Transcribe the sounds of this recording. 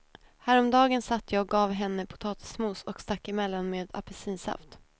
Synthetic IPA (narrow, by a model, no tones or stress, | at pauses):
hæːɾɔmd̪ɑːɡənsat̪ʰːjɑːɔk̚ɡɑːvɦɛnːəpʰʊ̥t̪ʰɑːt̪ʰɪ̥smuːsɔkst̪akːɪmɛlːanmeːd̪a̰pɛsiːnsa̰ft̪